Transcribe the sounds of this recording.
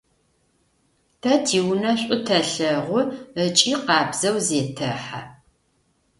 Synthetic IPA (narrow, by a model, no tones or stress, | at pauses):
tʰɐtʰiːwnɐɕʷʼʊtʰɐɬɐʁʷʊət͡ʃʼiːqɑːbz̥ɐwzeːtʰɐħa